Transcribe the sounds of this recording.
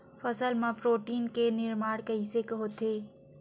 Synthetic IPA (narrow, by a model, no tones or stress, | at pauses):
fɐsəlmãpɾoːʈiːnkenɪɾmaːɽkɐisekɦoːt̪eː